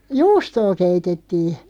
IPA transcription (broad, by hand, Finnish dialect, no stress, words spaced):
juːstoː keitetːiː